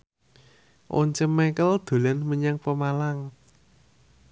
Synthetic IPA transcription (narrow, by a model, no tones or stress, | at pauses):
ʔo̰ɲt͡ʃəmɛkəld̪̥o̤lanməɲaŋpəmalaŋ